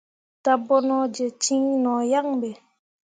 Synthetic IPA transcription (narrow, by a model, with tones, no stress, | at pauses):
t̪a˨bɔ˦˨nɔ˨d͡ʒe˨t͡ʃi˦ŋnɔ˨ja˦˨ŋbɛ˨